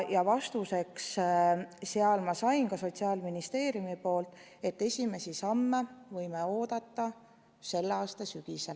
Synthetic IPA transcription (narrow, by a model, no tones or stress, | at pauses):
jɑvɑst̪use̞ks | seɑlmɑsɑjnkɑso̞t̪ʲsiɑːlminist̪e̞ːɾjumipo̞ːlt̪ˑ | e̞t̪ːe̞sʲime̞sisɑmːevɤjmeo̞ːd̪̥ɑt̪ˑːɑ | se̞lːeɑːst̪ɑsyɡ̥isel